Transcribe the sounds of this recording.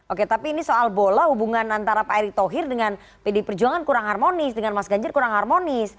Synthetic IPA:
ʔoket̪apiːnisoʔalbolahubuŋanant̪aɾapaiɾit̪oɦɪrdəŋan | pedipərd͡ʒuaŋankuɾaŋharmonɪsdəŋanmasɡaɲd͡ʒʊrkuɾaŋɦarmonɪs

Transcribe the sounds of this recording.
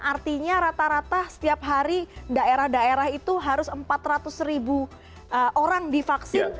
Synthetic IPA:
ʔart̪iɲaɾat̪aɾat̪asə̥t̪iap̚ɦaɾidaeɾahdaeɾahit̪uɦaɾʊsəmpat̪rat̪ʊsribu | əʔoɾaŋdifaksɪn

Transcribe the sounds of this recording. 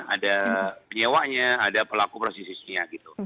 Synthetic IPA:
a̰dapəɲewaʔɲaːdapəlakupɾosisisiɲaɡit̪u

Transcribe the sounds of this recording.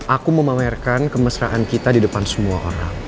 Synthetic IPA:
ʔakuməmamɛrkankəməsɾaʔankit̪adidəpansəmuaʔo̰ɾa̰ŋ

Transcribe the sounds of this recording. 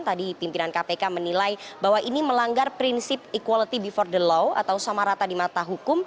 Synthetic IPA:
t̪adipimpilankapekamənilajbawaʔiniməlaŋɡarpɾinsɪp̚ikwalit̪ibifɔrdəlɔwa̰t̪awsamaɾat̪adimat̪aɦukʊm

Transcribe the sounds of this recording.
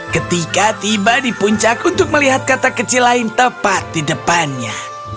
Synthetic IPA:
kət̪ikat̪ibadipuɲt͡ʃakunt̪ʊk̚məliɦat̪̚kat̪akət͡ʃilːaɪnt̪əpat̪̚didəpanɲa

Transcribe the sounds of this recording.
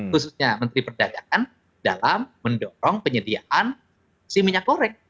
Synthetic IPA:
xususɲamənt̪ɾipərdaɡakan | dalamːəndɔɾɔŋpəɲədia̰ʔan | sihmiɲakoɾɛŋ

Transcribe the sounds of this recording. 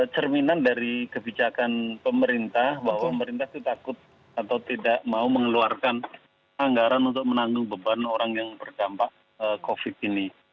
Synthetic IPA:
t͡ʃərminandaɾikəbit͡ʃakanpəməɾint̪ahbaɦwaəməɾint̪aht̪ut̪akʊt̪̚ | at̪awt̪idaʔmauməŋəluarkan | aŋɡaɾanunt̪ʊk̚mənaŋɡʊŋbəbanoɾaŋjaŋbərd͡ʒampaʔ | əkofɪt̪̚ini

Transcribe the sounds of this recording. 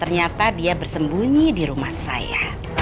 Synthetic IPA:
t̪ərɲat̪adiabərsəmbuɲidiɾumahsa̰ja̰

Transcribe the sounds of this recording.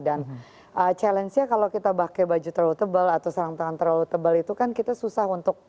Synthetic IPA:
dan | ʔət͡ʃalɛnsɲakalawkit̪abakebad͡ʒut̪əɾaut̪əbəlat̪awsəɾaŋt̪əŋant̪əɾaut̪əbəlit̪ukankit̪asusaɦunt̪ʊk̚

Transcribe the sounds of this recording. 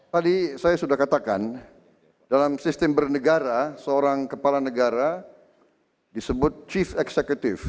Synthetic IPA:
t̪adisajasudahkat̪aka̰n | dalamsist̪əmbərnəɡaɾasəoɾaŋkəpalanəɡaɾa | disəbʊt̪̚t͡ʃifɛksɛkjut̪ɪf

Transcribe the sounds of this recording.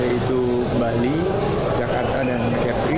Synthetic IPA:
ait̪u | bali | d͡ʒakart̪adankɛpɾi

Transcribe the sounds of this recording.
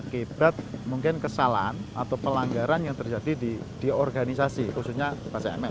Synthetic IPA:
kib̥at̪̚muŋkɪnkəsala̰na̰t̪awpəlaŋɡaɾanjaŋt̪ərd͡ʒadidi | d̥iɔrɡanis̬asikususɲapasaɛ̰mɛ

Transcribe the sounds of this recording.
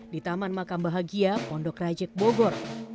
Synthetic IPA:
dit̪amanmakambaɦaɡiapɔndɔkrad͡ʒɛk̚boɡɔr

